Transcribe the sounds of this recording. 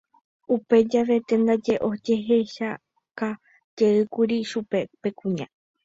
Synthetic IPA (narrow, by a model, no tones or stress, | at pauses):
upe̞d͡ʒaʋe̞t̪e̞nd̪ad͡ʒe̞ʔo̞d͡ʒe̞ɦe̞ʃa | ka | d͡ʒe̞ɨkuɾiʃupe̞pe̞kũɲã̰